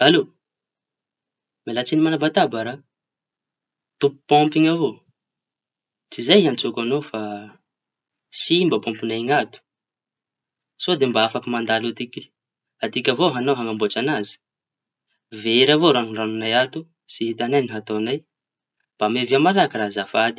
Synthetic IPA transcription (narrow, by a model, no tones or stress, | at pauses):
alo | melat͡sinimanabat̪abaɾa | t̪upu̥pɔmpiŋavo | t͡sizajant͡sokanofa | simbəpɔ̃mpinajŋat̪u̥ | sod̪embaafakimand̪alut̪ikʲi̥ | ad̪ikʲavoɦanoɦaŋambot͡ʃanazi̥ | veɾavoɾaŋiranunajat̪u | siɦit̪anajniɦat̪onaj | b̥ameviamalakiɾazafad̪i̥